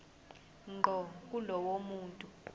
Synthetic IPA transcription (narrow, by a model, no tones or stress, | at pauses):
ŋ͡ǃʱɔkʼulɔwomuːntʼu